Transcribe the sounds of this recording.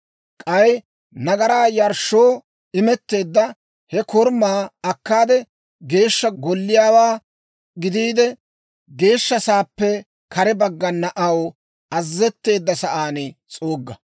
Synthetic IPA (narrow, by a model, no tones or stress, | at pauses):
kʼɐj | nɐɡɐɾaːjɐɾʃːoː | ɪmɛt̪ːe̞ːd̪ːɐ | hɛkɔɾmaːɐkːaːd̪ɛ | ɡe̞ːʃːɐɡɔlːɪjaːwaː | ɡɪd̪iːd̪ɛ | ɡe̞ːʃːɐsaːpːɛ | kɐɾɛbɐɡːɐnːɐʔɐw | ɐzːɛt̪ːe̞ːd̪ːɐsɐʔaːnɛt͡sʼoːɡːɐ